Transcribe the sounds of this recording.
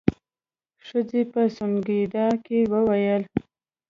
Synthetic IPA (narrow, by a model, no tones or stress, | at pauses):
ʂəzepəsʊŋɡid̪ɑkewəwajəl